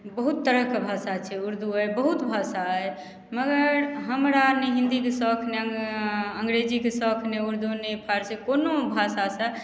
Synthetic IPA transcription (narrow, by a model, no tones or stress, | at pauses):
bəɦut̪ːəɾəɦkebʱasat͡ʃʰɛuɾd̪ʱuəjbəɦut̪bʱasae | məɡəɾɦəmɾaneɦĩnd̪ikesəkʰne | əŋɡɾed͡ʒikesɔkʰneuɾd̪unepʰaɾsekonobʱasasə